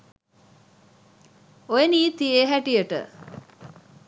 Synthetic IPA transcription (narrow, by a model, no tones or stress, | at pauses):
ojeniːt̪ieɦæʈijəʈə̰